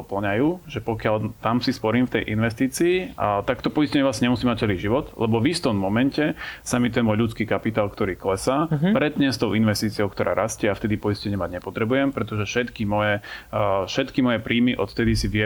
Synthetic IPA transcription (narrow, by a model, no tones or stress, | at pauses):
ɔpl̩ɲajuːʒɛpɔkɪalt̪amsispɔɾiːmft̪ɛjʔḭnʋɛst̪iːt͡siːt̪akt̪ɔpɔiscɛɲɛlasɲɛmusiːmac̚t͡sɛliʒiʋɔt̪lɛbɔvist̪ɔmːɔmɛncɛsamit̪ɛnmɔjʎut͡skiːkapit̪aːlkt̪ɔɾiːklɛsapɾɛd̪ɲɛst̪ɔʊinʋɛst̪iːt͡siɔʊkt̪ɔɾʔa̰ːɾʔascɪɛaft̪ɛd̪ipɔiscɛɲɪɛmaɟɲɛpɔt̪ɾɛbujɛmpɾɛt̪ɔʒɛfʃɛt̪kimɔjɛ | ʃɛt̪kimɔjɛpɾʔiːmiʔɔt̪ft̪ɛd̪isiʋɪɛ